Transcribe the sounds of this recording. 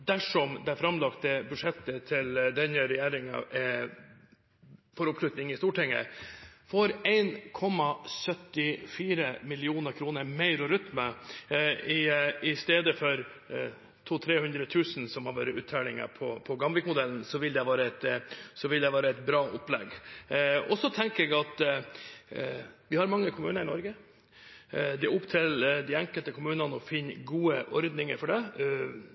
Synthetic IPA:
d̪æʂɔmd̪ɛfɾɑmlɑkt̪əbʉd̪ʂɛt̪ːət̪ʰɪld̪ɛnəɾɛjeːɾɪŋɑ̰ | fɔɾɔplʉt̪nɪŋɪst̪uːʈʰɛŋːə̰fɔɾæɪnkʰɔmːɑsœt̪ːɪfiːɾəmɪlɪuːnəɾkʰɾuːnəɾmæɪɾɔɾʏt̪mə | ɪɪst̪eːd̪əfɔɾ | t̪ʰuːt̪ʰɾeːhʉnd̪ɾət̪ʰʉːsn̩sɔmhɑɾʋø̰ːɾəʉːt̪ʰːælɪŋə̰pʰɔpʰɔɡɑmlɪkmʊd̪ɛln̩sɔʋɪld̪ɛʋɑːɾəɛt̪sɔʋɪld̪ɛʋɑːɾəɛt̪̚bɾɑːʔʊplɛ̰ɡ | ɔsɔt̪ʰɛŋkəɾɛɡɑt̪ | ʋɪhɑɾmɑŋːəkʰʊmʉ̰ːnəɾɪnɔɾɡə | d̪ɪʊpt̪ʰɪld̪ɪɛŋkəlt̪əkʰʊmʉːnɑnəɔfɪnːɡuːəʔɔɾd̪nɪŋə̰ɾfɔɖɛ

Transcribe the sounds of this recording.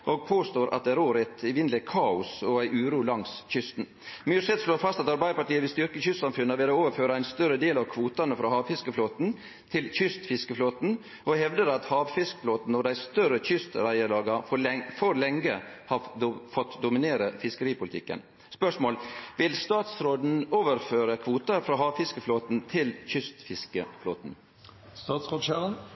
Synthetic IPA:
ʔoːɡ̚pʰoːst̪oːɾʔɑt̪̚d̪ɛæɾoːɾæt̪ɪʋɪnlɛkʰɑːʊsɔæɪʔʉːɾuːlɑŋsçʏst̪n̩ | myːsɛt̪sloːfɑst̪ɑt̪ɑɾbæɪd̪əpɑʈiːəʋɪlst̪ʏɾkəçʏst̪sɑmfʉnːəʋɪlooːʋəɾføːɾɑæɪnst̪œɾəd̪eːlɑʋkʰʋuːt̪ɑnəfɾɑːhɑːʋfɪskəfloːt̪n | t̪ʰɪlçʏst̪fɪskəfloːt̪n̩ | ɔhɛʋd̪əɾɑt̪hɑːʋfɪskə̥floːt̪n̩ɔd̪æɪst̪œɾəçʏst̪ɾæɪəlɑːɡɑfɔfɔɾlɛŋɡəhɑfɔt̪ːd̪ʊmɪneːɾəfɪskəɾiːpʰʊlɪt̪ʰɪkːə̰n | spœʂmoːlʋɪlst̪ɑːt̪sɾoːd̪n̩oːʋəɾføːɾəkʰʋuːt̪ɑɾfɾɑːɦɑːʋfɪskəfloːt̪n̩t̪ʰɪlçʏst̪fɪskəflo̰ːt̪n̩ | st̪ɑːt̪sʁoːd̪ɕæːɾən

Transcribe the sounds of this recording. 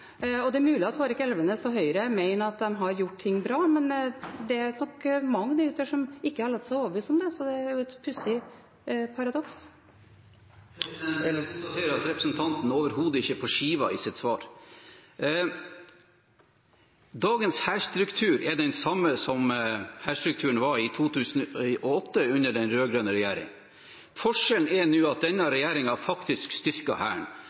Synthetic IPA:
ɔd̪ɛæɾmʉːlɪɑt̪hoːɾɪkɛlʋənəsɔɦœʏɾəmeɪnəɑt̪̚d̪ɛmɦɑɾjʊʈːt̪ʰɪŋːbɾɑːmɛnd̪ɛæɾnɔkmɑŋːnəʉːt̪əʂɔmɪkːəhɑɾɭɑt̪ːsɛɪoːʋəʋyːsɔmd̪ɛsɔd̪ɛæɾjʊɛt̪pʰʉsə | pʰɑɾɑd̪ɔks | ɑt̪ʰeːɾəɾɑt̪ɾɛpɾəsnt̪ʰɑnt̪n̩ɔːʋəɾhuːd̪əɪçːəpʰɔʂiːʋɑɪːsɪt̪sʋɑːɾ | d̪ɑːɡənshæːʂt̪ɾʉkt̪ʰʉːɾɛd̪ɛnsɑmːəsɔmhæːʂt̪ɾʉk̚t̪ʰʉːəɳ̩ʋɑɾɪt̪ʰuːt̪ʰʉːsn̩iʔɔɔt̪ːəʉnːəɖɛnɾøːɡɾøːnəɾɛjæːɾɪ̰ŋ | fɔʂɛln̩ɛnuːɑt̪̚d̪ɛnːɑɾɛjæːɾɪŋɑfɑkt̪ɪskst̪ʏɾkɑ̰hæ̰ːɳ

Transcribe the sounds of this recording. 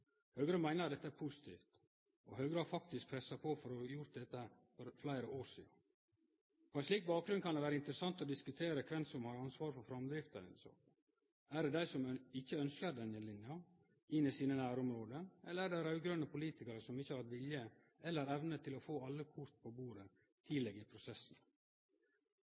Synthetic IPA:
hœːɡɾəmæɪnəɾɑt̪d̪ɛt̪ːəæɾpʰʊsɪ̥t̪ʰḭːft̪ | ɔɦœːɡɾəɑɾfɑk̚t̪ɪsk̚pʰɾɛsːɑpʰɔfɔɾɔjʊɾt̪̚d̪ɛt̪ːə | fɔɾflæɪɾəʔoːɾʂḭːɑ | ɔɛnsliːk̚bɑːk̚ɡɾʉnkʰɑnd̪ɛʋæːɾəɪnt̪əɾəsɑnt̪ɔd̪ɪskʉt̪ʰeːɾəkʰʋɛnsɔmhɑɾɑnsʋɑːɾfɔɾfɾɑmd̪ɾɪft̪əɾɪ̰nso̰ːɡ | æɖɛd̪æɪsɔmɪçːəœnskəɾd̪ɛnəlɪnjɑ | ɪnːɪsiːnənæːɾɔmɾoːd̪əɛlːəɾæːɖæɪɾɑʉɡɾœnəpʊliːt̪ɪkɑɾəsɔmɪçːəhɑɾt̪ʋɪljə | ɛlːəɾɛʋnət̪ʰːɪlɔfoːɑlːəkʰʊɾt̪̚pʰɔbuːɾə | t̪ʰiːlɛɡɪpʰɾʊsɛsn

